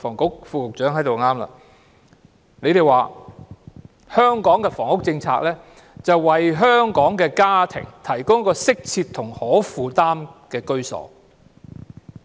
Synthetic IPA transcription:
fɔː˨˩ŋkʊ˨˥k̚fuː˧kʊ˨k̚t͡ʃœː˨˥ŋɦɐ˨˥jt̪o˨wŋaː˥mlɐ̰˨ | ne˨˧jt̪e˨jwaː˨ | hœː˥ŋkɔː˨˥ŋkɛː˧fɔː˨˩ŋʊ˥k̚t͡sɪ˧ŋt͡sʰa̰ː˧k̚lɛː˥ | t͡sɐ˨wwɐ˨jɦœː˥ŋkɔː˨˥ŋkɛː˧kaː˥t̪ʰɪ̰˨˩ŋt̪ʰɐ˨˩jkʊ˥ŋjɐ˥kːɔː˧sɪ˥k̚t͡sʰiː˧t̪ʰːʊ˨˩ŋhɔː˨˥fuː˨˧t̪aː˥mkɛː˧kɵ˥ɥsɔ̰ː˨˥

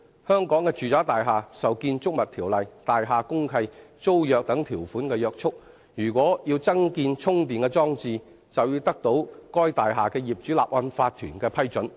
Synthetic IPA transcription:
hœː˥ŋkɔː˨˥ŋkɛː˧t͡ʃyː˨t͡saː˨˥t̪aː˨jɦaː˨˩sɐ˨wkiː˧nt͡ʃʊ˥k̚mɐ˨t̪ʰiː˨˩wlɐ˨˩jt̪aː˨jɦaː˨kʊ˥ŋkʰɐ˧jt͡so˥wjœː˨˧k̚t̪ɐ˨˥ŋt̪ʰiː˨˩wfuː˨˥nkɛː˧jœː˧k̚t͡ʃʰʊ˥k̚ | jyː˨˩kʷɔː˨˥jiː˧wt͡sɐ˥ŋkiː˧nt͡sʰʊ˥ŋt̪iː˨nkɛː˧t͡sɔː˥ŋt͡siː˧ | t͡sɐ˨wjiː˧wt̪ɐ˥k̚t̪o˨˥wkɔː˥jt̪aː˨jɦaː˨˩kɛː˧jiː˨p̚t͡ʃy˨˥la̰ː˨p̚wɐ˧nfaː˧t̪ʰːyː˨˩nkɛː˧pʰɐ˥jt͡ʃɵ˨˥n

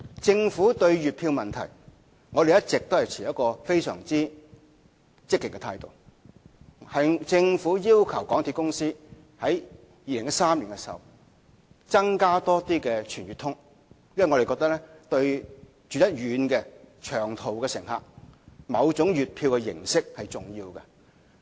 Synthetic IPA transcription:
t͡sɪ˧ŋfuː˨˥t̪ɵ˧ɥɥyː˨t̚pʰiː˧wmɐ˨nt̪ʰɐ̰˨˩j | ŋɔ˨˧ɾe˨jɐ˥t̚t͡sɪ˨k̚t̪o˥whɐ˨jt͡sʰiː˨˩jɐ˥kːɔː˧fe˥jsœ̰ː˨˩ŋt͡siː˥ | t͡sɪ˥kːɪ˨kːɛ˧t̪ʰaː˧jt̪o̰˨w | hɐ˨jt͡sɪ˧ŋfuː˨˥jiː˥wkʰɐ˨˩wkɔː˨˥ŋt̪ʰi˧kʊ˥ŋsiː˥ | hɐ˨˥jː | iː˧lɪ˨˩ŋjɐ˥saː˥mliː˨˩kɛ˧sw | t͡sɐ˥ŋkaː˥t̪ɔː˥t̪iː˥kɛː˧t͡ʃʰyː˨˩nɥy˨t̪ʰʊ˥ŋ | jɐ˥m˥˨ŋɔ˧ɾe˨kɔː˧k̚t̪ɐ˥k̚lɛ˥t̪ɵ˧ɥ | t͡ʃy˨˧njɐ˥t̚ɥyː˨˧nkɛː˧t͡ʃʰœː˨˩ŋt̪ʰo˨wkɛː˧sɪ˨˩ŋɦa̰ː˨k̚mɐ˨˧wt͡sʊ˨˥ŋjyː˨t̚pʰiː˧wkɛ˧jɪ̰˨˩ŋsɪ˥k̚hɐ˨jt͡sʊ˨˩ŋjiː˧wkɐ˧

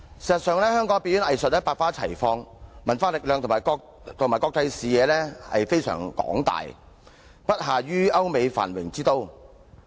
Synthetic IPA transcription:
si˨˩sɐ˨t̚sœː˨ŋlɛː˥hœː˥ŋkɔː˨˥ŋpiː˧˥t̚jy˨˥nɐ˨jsə˨t̚jɐ˥paː˧t̚faː˥t͡sʰɐ˨˩jfɔː˧ŋmɐ˨˩nfaː˧lɪ˨k̚lœː˨ŋt̪ʰʊ˨˩mː˨˩kɔ˧ | t̪ʰmaː˨˩jkɔː˧k̚t̪ɐ˧jsiː˨jɛː˨˧lɛː˥hɐ̰˨jfe˥jsœ̰ː˨˩ŋkɔ̰ː˨˥ŋt̪a̰ː˨j | pɐ˥t̚ɦaː˨ɥyː˥ɐ˥wme˨˧jfa̰ː˨˩nwɪ̰˨˩ŋt͡siː˥t̪o˥w

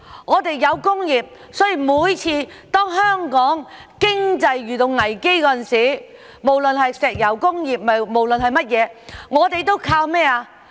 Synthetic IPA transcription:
ŋɔː˨˧t̪e˨jːɐ˨˧wkʊ˥ŋjiː˨˩p̚ | sɔː˨˥jiː˨˩muː˨˧jt͡sʰiː˧ | t̪ɔː˥ŋɦœː˥ŋkɔː˨˥ŋkɪ˥ŋt͡sɐ˧jɥyː˨t̪o˧wŋɐ˨˩jke˥jkːɐ˨˩nsiː˨˥ | mo˨˩wlɵ˨nhɐ˨jsɛː˨k̚jɐ˨˧wkʊ˥ŋjiː˨p̚mɐ˨mo˨˩wlɵ˨nhɐ˨jmɐ˥t̚jɛː˨˧ŋɔː˨˧t̪e˨jt̪o˥wkʰaː˧wmɛː˥aː˧

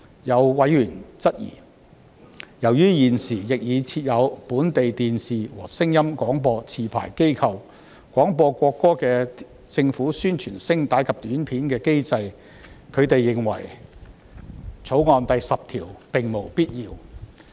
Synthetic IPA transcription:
jɐ˨˧wwɐ˨˥jɥyː˨˩nt͡sɐ˥t̚jḭː˨˩ | jɐ˨˩wjyː˥jiː˨˩nsiː˨˩jɪ˨k̚jiː˨˧t͡sʰiː˧t̚jɐ˨˧wpuː˨˥nt̪e˨jt̪iː˨nsiː˨wɔ̰ː˨˩sɪ˥ŋjɐ˥mkʷɔː˨˥ŋpɔː˧t͡sʰiː˨pʰa̰ː˨˩jke˥jkʰɐ˨w | kʷɔː˨˥ŋpɔː˧kʷɔː˧kːɔː˥kɛː˧ | t͡sɪ˧ŋfuː˨˥syː˥nt͡ʃʰyː˨˩nsɪ˥ŋt̪aː˨˥jkʰɐ˨p̚t̪yː˨˥npʰiː˨˥nkɛː˧ke˥jt͡sɐ˧j | kʰɵ˨˧ɥt̪e˨jːɪ˨ŋwɐ̰˨˩j | t͡sʰo˨˥wŋɔː˨˧nt̪ɐ˨jsɐ˨p̚t̪ʰiː˨˩wpɪ˨ŋmo˨˩wpiː˥t̚jiː˧w

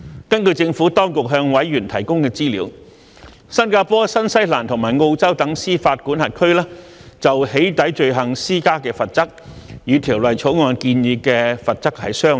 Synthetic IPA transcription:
kɐ˥nkɵ˧t͡sɪ˧ŋfuː˨˥t̪ɔː˥ŋkʊ˨k̚ɦœː˧ŋwɐ˨˥jːyː˨˩nt̪ʰɐ˨˩jkʊ˥ŋkɛː˧t͡siː˥liː˨˧˥w | sɐ˥nkaː˧pɔː˥sɐ˥nsɐ˥jlaː˨˩nt̪ʰʊ˨˩ŋmaː˨˩jŋo˧wt͡sɐ˥wt̪ɐ˨˥ŋsiː˥faː˧t̚kuː˨˥nhɐ˨t̚kʰɵ˥ɥlaː˥t͡sɐ˨whe˨˥jt̪ɐ˨˥jt͡ʃɵ˧ɥɦɐ˨ŋsiː˥kaː˥kɛː˧fɐ˨t̚t͡sɐ˥k̚jyː˨˧t̪ʰiː˨˩wlɐ˨˩jt͡ʃʰo˨˥wŋɔː˨nkiː˧njiː˧kɛː˧fɐ˨t̚t͡sɐ˥k̚hɐ̰˨jsœː˥ŋ

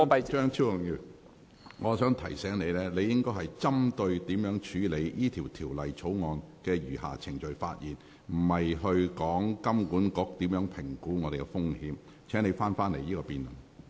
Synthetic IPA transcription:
t͡ʃœː˥ŋt͡sʰi˥jʊ˨˩ŋjiː˧ | ŋɔː˨˧sœː˨˥ŋt̪ʰɐ˨˩jsɛː˨˥ŋne˨˧jlɛː˥le˨˧jɪ˥ŋkɔː˥jɦɐ˨jt͡sɐ˥mt̪ɵ˧ɥt̪iː˨˥mjœː˨˥ŋt͡ʃʰyː˨˧le˨˧jjiː˥t̪ʰiː˨˩wt̪ʰiː˨˩wlɐ˨jt͡sʰo˨˥wŋɔː˨˧nkɛː˧jyː˨˩ɦa̰ː˨t͡sʰɪ˨˩ŋt͡ʃɵ˨ɥfa̰ː˧t̚jiː˨˩n | m̩˨˩hɐ˨jɦɵ˧ɥkɔː˨˥ŋkɐ˥mkuː˨˥nkɔː˧k̚t̪iː˨˥mjœː˨˥ŋpʰɪ˨˩ŋkuː˨˥ŋɔː˨˧ɾe˨jkɛ˧fʊ˥ŋhiː˨˥m | t͡sʰɛː˨˥ŋne˨˧jfaː˥nfaː˥nle˨˩jiː˥kɔː˧piː˨nlʊ˨˩ŋ

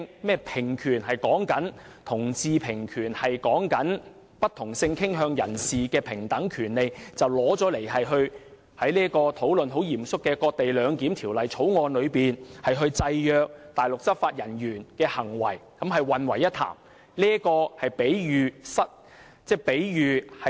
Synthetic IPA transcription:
ŋmɛː˥˩pʰɪ˨˩ŋkʰyː˨˩nhɐ˨jkɔː˨˥ŋkɐ˨˥nt̪ʰʊ˨˩ŋt͡siː˧pʰɪ˨˩ŋkʰyː˨˩nhɐ˨jkɔː˨˥ŋkɐ˨˥n | pɐ˥t̪ʰʊ˨˩ŋsɪ˧ŋkʰɪ˥ŋɦœː˧ŋjɐ̰˨˩nsiː˨kɛː˧pʰɪ˨˩ŋt̪ɐ˨˥ŋkʰyː˨˩nle˨jt͡sɐ˨wlɔː˨˥t͡sɔː˨˥le˨˩jɦɐ˨jɦɵ˧ɥ | hɐ˨˥jliː˥kɔː˧t̪ʰo˨˥wlɵ˨nɦo˨˥wjiː˨˩msʊ˥kːɛː˧kɔː˧k̚t̪e˨jlœː˨˧ŋkiː˨˥mt̪ʰiː˨˩wlɐ˨jt͡sʰo˨˥wŋɔː˨˧nlɵ˨˧ɥpiː˨nhɐ˨jɦɵ˧ɥt͡sɐ˧jjœː˨˧k̚t̪aː˨jlʊ˨k̚sɐ˥p̚faː˧t̚jɐ˨˩njyː˨˩nkɛː˧hɐ˨˩ŋwɐ̰˨˩jkɐ˨˥mɦɐ˨jwɐ˨nwɐ˨˩jːɐ˥t̪ʰa̰ː˨˩m | liː˥kɔː˧hɐ˨jpe˨˥jjyː˨sɐ˥t̚ | t͡sɛː˥pe˨˥jjyː˨˧hɐ˨

